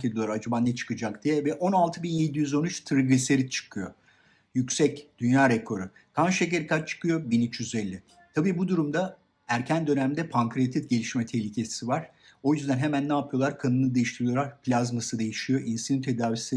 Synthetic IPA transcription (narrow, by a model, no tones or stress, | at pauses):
ed̪ijlˠɾaɾad͡ʒabaːnːɛt͡ʃʰɯ̥kɯd͡ʒakd̪ijɛvɛʔo̞nalˠt̪ʰɯbinje̞d̪ijyzo̞nyt͡ʃt̪ʰɯɾɡiseɾit͡ʃʰɯ̥kʰɯjo̞̰ | jycsɛcd̪̥ynjaːɾekʰo̞ɾɯ | k̪ʰanʃec̬eɾikʰat͡ʃt͡ʃʰɯ̥kʰɯjo̞binyt͡ʃjyzɛlʲːɪ | t̪ʰabiːbud̪uɾumd̪a | æɾcʰænd̪ø̞næmd̪ɛpʰaŋkɾet̪ʰit̪ɟe̞lʲiʃmɛt̪ʰehlʲicʰesivaɾ̥ | o̞jyzd̪ænɦe̞mænːaːpʰɯjo̞lˠaɾkʰanɯnɯd̪e̞jiʃt̪iɾijo̞lˠaɾplʲazmasɯd̪e̞jiʃijo̞ʔinsinɯnt̪ʰe̞d̪aːvisi